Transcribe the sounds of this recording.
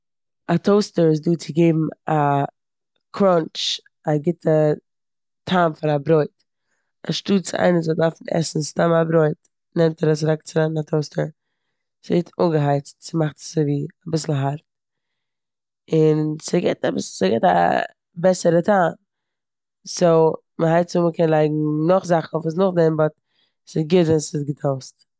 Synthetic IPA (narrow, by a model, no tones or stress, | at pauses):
atʰoʊstəɾɪs̬duːt͡sɪɡeɪbm̩a | kʰɾɔnt͡ʃ | aɡɪtʰə | tʰaːnfɪnabɾɔɪt | a̰ʃtuːt͡sɪʔa̰ɪnəzɔdaɾfn̩ɛ̰sn̩stamabɾɔɪt | nɛmtɛɾəs̬ɾɛk̚t͡sɪnɛnnatʰoʊstəɾ | sɛtʰuŋɡəɦaɪt͡stt͡sɪmaχtsɪviːabɪsl̩ˠɦaɾt̚ | ɪnsɪɡɪ̰tabɪsl̩ˠsəɡɛta̰ | bɛsəɾətʰaːn | soʊ | məɦaɪt͡sʊməkʰɛnlˠaɪɡŋ̩nʊχzaχn̩ɔfus̬nʊχdɛmbɔt | sɪɡɪtvɛnsɪtɡətʰoʊst